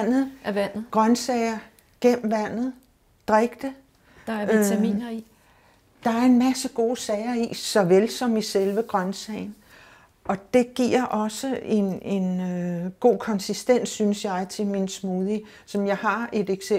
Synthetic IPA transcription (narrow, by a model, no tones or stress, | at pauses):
n̰ð̩ˠɡ̥ʁɶnsɛɪɐ | ɡ̥em̰m̩ʋæn̰ð̞̩ˠ | d̥ʁeɡ̥d̥ə̥ | imḭːnɐi | d̥ɑ̈æɐe̝nmæsəɡ̥o̝ːsɛɪɐisɒ̽ʋelsɒ̽miselʋəɡ̥ʁɶnsɛɪn̩ | ʔɒ̽d̥e̝ɡ̥iɐ̰ʔɒ̽səe̝ne̝nøɡ̥o̝̰ːkʰɒ̽nsisd̥en̰sːynsjɑ̈ɪt͡sʰe̝minsmuðˠi | sɒ̽mjɑ̈ɪɦɑ̈e̝d̥eɡ̥se